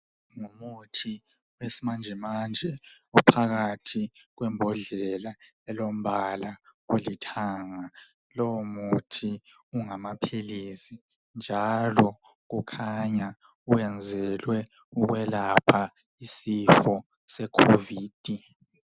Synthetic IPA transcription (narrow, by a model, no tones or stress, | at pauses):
ŋumutʰi | wesimand͡ʒʱɛmand͡ʒʱɛ | upʰaɣatʰiɣwɛmbʱɔɮɛla | ɛlom̩βalaulitʰaːŋa | lɔwmutʰi | uŋamapʰilisi | nd͡ʒʱalɔ | ɣukʰaɲa | ujɛnd͡zʱɛlwɛ | uɣwɛlapʰa | isifɔ | sɛkʰoviːd̥ʱi